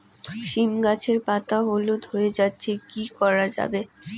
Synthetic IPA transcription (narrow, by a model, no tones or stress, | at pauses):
ʃimɡat͡ɕʰeɾpat̪aɦolod̪ʱoed͡ʑatːɕʰekikɔɾad͡ʑa̰be